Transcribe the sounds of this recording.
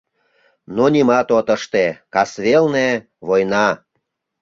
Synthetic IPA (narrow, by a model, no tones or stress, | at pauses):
nonʲimɑt̪ot̪ə̆ʃt̪ekɑsβelne | βojnɑ